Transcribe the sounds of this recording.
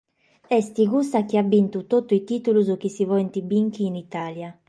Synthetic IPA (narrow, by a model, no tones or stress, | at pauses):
ɛst̪iɣust̪ak̟iabːint̪ut̪ot̪ːuit̪it̪uluzuk̟isivɔɛnt̪ibiŋkiːnit̪aːlja